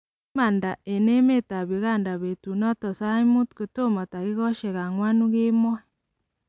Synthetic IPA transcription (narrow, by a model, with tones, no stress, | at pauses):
ma˨nda˨ʔe˨ne˦me˦ta˨βi˨ɣa˦nda˨βe˨tu˨nɔ˦tɔ˨sa˦imu˦tko˨to˦mɔ˨ta˨ɣe˦ɣɔ˦ʃe˨ɣa˨ŋwa˦nu˦ɣe˦mwɔ˦